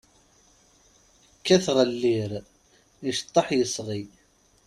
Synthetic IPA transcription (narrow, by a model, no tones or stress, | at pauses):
kːæθʁəlːiɾ | əʃt̪ˤːɑħjəsʁi